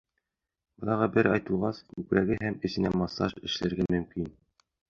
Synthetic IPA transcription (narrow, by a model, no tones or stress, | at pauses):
bɤ̆lˠɑɾʁɑbɘɾɑjt̪ɤ̆lˠʁɑskʉpɾæɡɘɦæmɘ̆sɘ̆næmɑsɑʃɘ̆ʃlæɾɡæmɵ̆mkin